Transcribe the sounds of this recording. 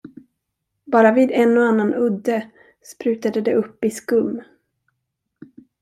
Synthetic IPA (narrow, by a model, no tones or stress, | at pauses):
bɑːɾaviːd̪ɛnːɔanːanʔɵd̪ːə | spɾʉ̟ːt̪ad̪əd̪ɛʔɵpːɪskɵmː